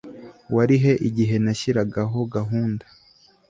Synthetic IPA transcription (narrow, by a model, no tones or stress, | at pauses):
waɾiɦe̞ʔiɟiɦe̞naʃiɾaɡaɦo̞ɡaɦuːndḁ